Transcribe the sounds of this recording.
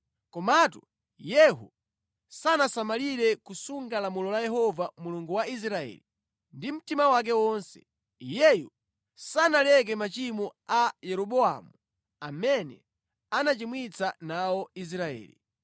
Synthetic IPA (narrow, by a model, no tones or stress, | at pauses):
kɔmatu | jɛɦu | sanasamaliɾɛkusuŋɡalamulɔlajɛɦɔvamuluŋɡuwais̬ɾaɛ̰ːli | ndim̩timawak̬ɛwɔnsɛ̥̰ | jɛju | sanalɛk̬ɛmat͡ʃimɔajɛɾɔɓɔa̰mu | amɛnɛ̰ | anat͡ʃimwit͡sanawɔis̬ɾaɛ̰ːlḭ